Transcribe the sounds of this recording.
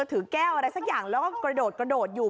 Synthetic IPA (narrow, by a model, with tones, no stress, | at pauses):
t̪ʰɯː˨˩˦kɛː˥˩wʔa˧ɾa˧jsa˦˥k̚jaː˨˩ŋlɛː˨˦˥wkɔː˥˩kɾa˧doː˨˩t̪̚kɾa˧ɗoː˨˩t̪̚juː˨˩